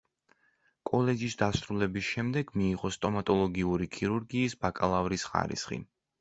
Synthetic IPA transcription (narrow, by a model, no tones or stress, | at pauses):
kʼɔlɛd͡ʒisd̪asɾulɛbisʃɛmd̪ɛɡmiːʁɔst̪ʼɔmat̪ʼɔlˠɔɡiuɾikʰiɾuɾɡiːsbakʼalˠavɾisχa̰ɾḭsχḭ